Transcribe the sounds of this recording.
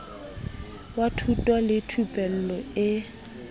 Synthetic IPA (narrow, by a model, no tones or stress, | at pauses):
watʰutʼwalɪtʰupʼɛl̩lɔɪ